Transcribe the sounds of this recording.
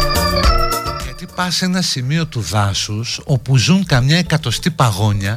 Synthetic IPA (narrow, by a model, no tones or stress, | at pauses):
ʝɐt̪ipɐse̞nɐsimio̞t̪uðɐsuso̞puzuŋkɐmɲɐe̞kɐt̪o̞st̪ipɐɣo̞ɲɐ